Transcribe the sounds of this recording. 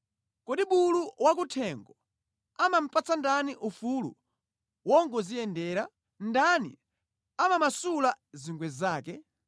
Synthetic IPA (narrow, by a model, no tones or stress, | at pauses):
kɔɗiɓuluwak̬utʰɛŋɡɔ | amam̩pat͡sandaniʔufulṵ | wɔŋɡɔzijɛndɛːɾa | ndanḭ | amamasulaziŋɡwɛzaːkɛ